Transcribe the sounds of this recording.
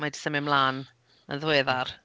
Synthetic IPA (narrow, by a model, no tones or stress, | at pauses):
madɪ̥səmɪmlˠaːn | ə̰nðweːðar